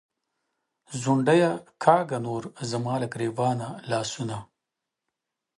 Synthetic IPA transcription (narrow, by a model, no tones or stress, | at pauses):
zʊɳɖajakʰɑːɡanoːɾzɐmɑːlakɾevɑːnalɑːsuna